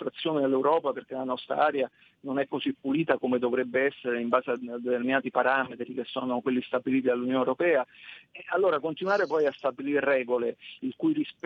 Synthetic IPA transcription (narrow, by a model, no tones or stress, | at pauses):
fɾat̪sːjoːned̪elːewɾɔːpaperk̟elanɔst̪ɾa̰aːɾja | nonɛkːozipːuliːt̪akomed̪ovɾɛbːeɛsːeɾeimbaːzead̪ːet̪erminaːt̪ipaɾaːmet̪ɾik̟esːɔːnokwelːist̪abiliːt̪id̪alːunjoːnewɾopɛːaalːoːɾakont̪inwaːɾepɔjast̪abilirrɛːɡoleilkujris